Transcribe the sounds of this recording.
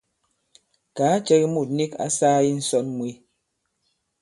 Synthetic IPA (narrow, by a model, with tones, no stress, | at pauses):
kaː˨˦t͡ʃɛ˦ɣi˦mu˦˨t̚ni˦ka̰˦saː˦ji˦n̩˦sɔ˦nmwi˦